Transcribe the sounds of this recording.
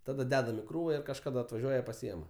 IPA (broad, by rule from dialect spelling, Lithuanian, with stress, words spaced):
ˈtɑːdɐ ˈdʲæːdɐm ɪ ˈkruːʋɐ ɪr kɐʃkɐˈdɐ ɐtʋɐˈʒʲuɔjɛ pɐˈsʲiɛmɐ